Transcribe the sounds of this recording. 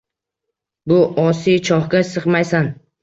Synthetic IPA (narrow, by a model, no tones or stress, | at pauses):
bʊʔɒsijt͡ʃʰɒhɡʲasɨqmajsan